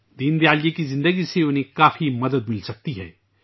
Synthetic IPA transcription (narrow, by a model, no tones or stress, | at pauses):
d̪iːnd̪jaːljekizɪ̃nd̪əɡiseʊnɦẽkaːfimɐd̪əd̪̚mɪlsɐk̚t̪iɦɛ̰ː